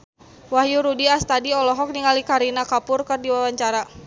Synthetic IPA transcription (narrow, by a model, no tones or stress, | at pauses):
wahjuɾudiast̪adiɔlɔɦɔk̚niŋalikaɾinakapʊrkɨrdiwawaɲt͡ʃaɾa